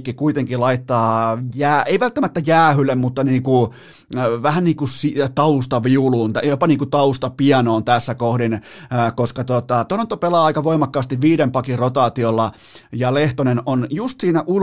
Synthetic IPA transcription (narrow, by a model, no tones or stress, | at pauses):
kːikuit̪eŋkilɑit̪ːɑːjæːeiʋælt̪ːæmæt̪ːæjæːhylːemmut̪ːɑniːku | ʋæhænniːŋkusit̪ɑust̪ɑʋiuluːnt̪æjopɑniːŋkut̪ɑust̪ɑpiɑnoːnt̪æsːækohdin | koskɑt̪ot̪ɑt̪ohɑnt̪ːopelɑːɑikɑʋoimɑkːɑːst̪iʋʋiːdempɑkirot̪ɑːt̪iolːɑ | jɑleht̪onenonjust̪siːnæʔul